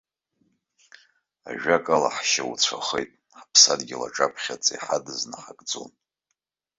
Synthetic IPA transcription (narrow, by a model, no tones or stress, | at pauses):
a̰ʒᶣakʼala̰ħʃawut͡sʷʰaχejtʼ | ħapʰsadɡʲila̰ʈ͡ʂʼapʰχʲat͡sʼiħadɨznaħakʼd͡zo̰n